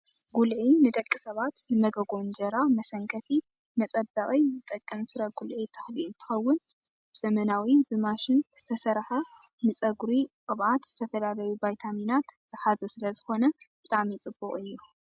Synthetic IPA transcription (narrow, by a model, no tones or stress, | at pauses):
ɡulʕinɨd̪ɐkʼːisɐβat̪nɨmɐɡɐɡo̞nd͡ʒɐɾamɐsɐŋkʰɐt̪ʰi | mɐt͡sʼɐbːɐχʼizɨt̪ʼɐkʼːɐmfɨɾɐɡulʕit̪ʰḁħlint̪ʰɨ̥xɐwːʊn | bɨzɐmɐnawibɨmaʃɪnz̥ɨt̪ʰɐsɐɾħɐ | nɨt͡sʼɐɡɾiqʼɨβʕat̪z̥ɨt̪ʰɐfɐlalɐwubajt̪ʰaminat̪z̥ɨħazɐsɨlɐzɨxo̞nɐb̥ɨt̪ʼamit͡sʼɨbːuχʼɨjːu